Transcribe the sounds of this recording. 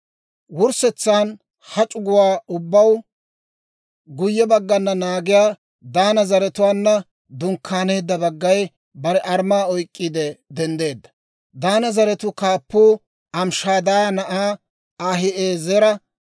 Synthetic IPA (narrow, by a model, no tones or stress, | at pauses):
wʊɾsɛt͡sːaːn | hɐt͡ʃʼʊɡʊwaːʊbːɐw | ɡʊjːɛbɐɡːɐnːɐnaːɡɪjaː | d̪aːnɐzɐɾɛt̪ʊwaːnːɐ | d̪ʊŋkʰːaːne̞ːd̪ːɐbɐɡːɐj | bɐɾɛʔɐɾmaːɔjkʼːɪd̪ɛd̪ɛnd̪e̞ːd̪ːɐ̥ | d̪aːnɐzɐɾɛt̪ʊkaːpːuː | ɐmʃaːd̪anɐʔaː | aːɦɪʔeːzɛɾɐ